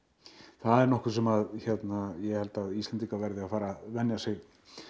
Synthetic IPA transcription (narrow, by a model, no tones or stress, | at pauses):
θaðɛɾnɔhkʏ̥s̬ɛmaðçɛt̪najɛhɛlt̪aðist̪ɛnt̪ikavɛɾðɪafaːɾavɛnjasɪɣ